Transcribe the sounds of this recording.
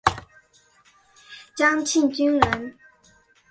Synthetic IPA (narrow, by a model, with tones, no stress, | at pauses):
t͡ɕa˥ŋt͡ɕʰi˥˨nt͡ɕy˥nla˩˨n